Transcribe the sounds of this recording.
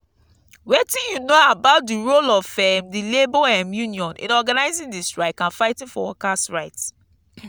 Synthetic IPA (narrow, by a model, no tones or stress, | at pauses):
wetĩjunoabaʊt̚diɹolɔvfɛmdileboɛmjũniɔ̃nʔḭ̃nɔɡanaɪzĩndistɹaɪkãnfaɪtĩnfɔ̰wɔ̰kasɹaɪts